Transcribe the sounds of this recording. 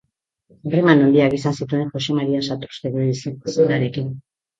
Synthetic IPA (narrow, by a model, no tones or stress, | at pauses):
remano̞nd̪iakisansit̪ue̞ŋʝo̞se̞maɾiansat̪ust̪eɣoisisnaɾe̞kin